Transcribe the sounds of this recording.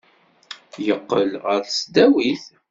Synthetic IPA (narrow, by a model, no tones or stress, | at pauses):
jəqːəlʁəɾsd̪æwiθ